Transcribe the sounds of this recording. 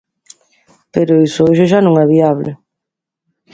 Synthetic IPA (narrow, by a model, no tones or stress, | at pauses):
peɾoisooʒoʒanõŋɛβiaβlɪ̰